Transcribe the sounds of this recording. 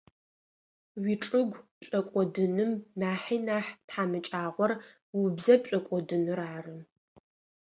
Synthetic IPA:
wiʈ͡ʂʼɨɡʷpɕʼɐkʷʼɔdɨnɨmnaːħinaːħtħaːmɨt͡ʃʼaːʁʷɔr | wʊbzɐp̚ɕʼɐkʷʼɔdɨnɨraːrɨm

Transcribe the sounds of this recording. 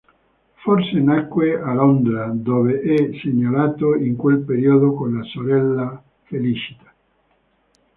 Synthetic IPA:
forsenakːwealond̪ɾad̪oːveʔɛseɲːalaːt̪oiŋkwelpeɾiod̪okonlasoɾɛlːa | felit͡ʃi̥t̪ḁ

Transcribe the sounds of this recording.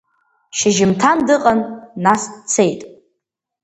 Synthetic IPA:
ʃɪʒɪmtʰandɨqʼanːast͡sʰejtʼ

